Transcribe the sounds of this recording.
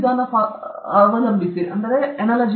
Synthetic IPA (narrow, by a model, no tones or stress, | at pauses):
d̪ʱaːnɐpaɐʋɐɾɐmbisiʔɐnd̪ɐɾeɐnɐːlɐd͡ʒ